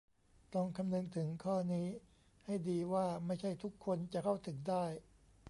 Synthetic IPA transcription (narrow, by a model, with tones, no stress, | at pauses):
t̪ɔ˥˩ŋkʰa˧mnɯ˧ŋt̪ʰɯ˩˦ŋkʰɔː˥˩niː˦˥ | ha˥˩jdiː˧waː˥˩ma˥˩jt͡ɕʰa˥˩jt̪ʰu˦˥kʰːo˧nt͡ɕa˨˩kʰa˥˩wt̪ʰɯ˩˦ŋdaː˥˩j